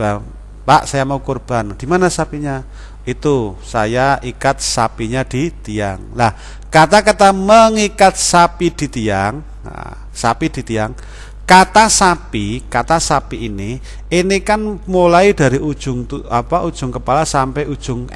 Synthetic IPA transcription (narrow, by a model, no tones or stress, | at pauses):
b̥a | paʔsajamaukorb̥a̤nd̪̥i̤manasapiɲa | it̪usa̰jaʔikat̪̚sapiɲad̪̥it̪ija̰ŋlah | kat̪akat̪aməŋikat̪̚sapid̪̥i̤t̪iaŋ̰ | sapid̪̥i̤t̪iaŋ | kat̪asapikat̪asapiːni | inikanmulaid̪̥a̤ɾiʔud̥ʒ̥ʊŋt̪uapaʔud̥ʒ̥ʊŋkəpalasampɛud̥ʒ̥ʊŋ